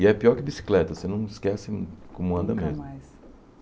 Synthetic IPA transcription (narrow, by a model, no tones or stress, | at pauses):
ɪɛpiɔɾkɪbisi̥klɛt̪ɐsenɐ̃w̃ɪskɛsɪkõmʊɐ̃nd̪ɐmezmʊ